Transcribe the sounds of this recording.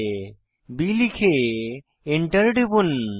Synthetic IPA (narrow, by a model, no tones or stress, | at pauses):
bilikʰe | eɳʈɐɾɖibun